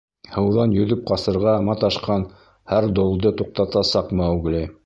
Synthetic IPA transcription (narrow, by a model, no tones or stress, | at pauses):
hɤ̆wðɑnjɵ̆ðɵp̚qɑsɤ̆ɾʁɑmɑt̪ɑʃqɑn | hæɾd̪olˠd̪ɤt̪uq̚t̪ɑt̪ɑsɑqmɑuɡlɘ